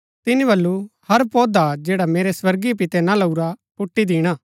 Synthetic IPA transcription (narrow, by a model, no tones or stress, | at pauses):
t̪ɪnibɐlːuhɐɾpɔːd̪ad͡ʒɛːɽameːɾeswɐɾɡip̬ɪt̪ɛnãlɐuɾapʊʈːid̪iːɽ̃aː